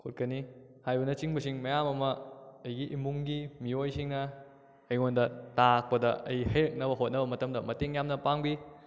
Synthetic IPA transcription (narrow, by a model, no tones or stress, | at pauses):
kʰot̚kɐni | hajbɐnɐt͡ʃiŋbɐsiŋmɐjamɐmɐːjɡiʔimuŋɡimiojsiŋnɐ | ɐjŋondɐtak̚pɐdɐɐjihɐjɾɐk̚nɐbɐɦot̚nɐbɐmɐtɐmdɐmɐteŋjamnɐpaŋbi